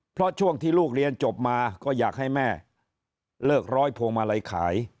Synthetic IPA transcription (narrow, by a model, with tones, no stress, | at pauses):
pʰɾɔ˦˥t͡ɕʰu˥˩əŋt̪ʰiː˥˩luː˥˩k̚ɾi˧ənt͡ɕo˨˩p̚maː˧kɔː˥˩jaː˨˩k̚hɦa˥˩jmɛː˥˩ | lɤː˥˩k̚ɾɔː˦˥jpʰoː˧ŋma˧la˧jkʰa̰ː˩˦j